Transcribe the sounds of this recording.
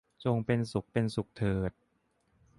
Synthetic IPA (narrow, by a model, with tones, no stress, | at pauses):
t͡ɕo˧ŋpe˧nsu˨˩k̚pe˧nsu˨˩k̚t̪ʰɤː˨˩t̪̚